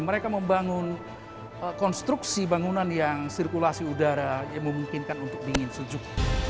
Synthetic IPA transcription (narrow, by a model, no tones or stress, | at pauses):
məɾekaməmbaŋʊn | kɔnst̪ɾuksibaŋunanjaŋsirkulasiudaɾajaŋməmuŋkɪnkanunt̪ʊk̚biŋɪnsud͡ʒʊk̚